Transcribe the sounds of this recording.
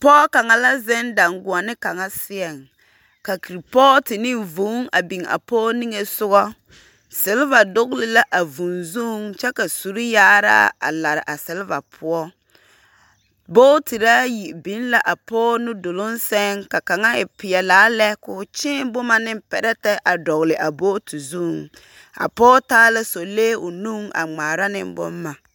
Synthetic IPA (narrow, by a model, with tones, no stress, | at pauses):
pɔː˦ka˨ŋa˨la˦zɛ˦nda˨ŋɡʊ˨a˨nɪ˦ka˨ŋa˦sɪ˦ɛ˨ŋ | ka˨ki˨ɾi˨pɔː˦tɪ˨nɪ˦nvu˨˦ŋa̰˨bi˨ŋa̰˨pɔː˦ni˦ŋe˨sʊ˦ɣɔ˦ | sɪ˨˦lɪ˦va˨dʊ˦ɣlɪ˦la˦ʔa˨vu˨nzu˦ŋt͡ʃɛ˦ka˨su˨ɾɪ˦jaː˦ɾa̰ː˦a̰˨la˨ɾɪ̰˨ʔa˨sɪ˦lɪ˦va˨pʰʊ˦ɔ˦ | boː˦ti˨ɾaː˦ji˨ʔbi˦nla˦ʔa˨pɔː˦nʊ˦do˨lʊ˦n˦sɛ˦ŋka˨ka˨ŋa˦ɪ˨pɪ˨ɛ˨laː˨˦lɛ˦kʊ˨t͡ʃɪ˦bʊ˦ma˨nɪ˦mpɛ˨ɾɛ˦tɛ˦ʔa˨dɔ˨ɣlɪ˨ʔa˨boː˦ti˨zu˦˨ŋ | a̰˨pɔː˦taː˦la˦so˨leː˦ʊ˨nu˦ŋa̰˨ŋ͡maː˨ɾa˦nɪ̰˦mbʊ̰˦mːa˨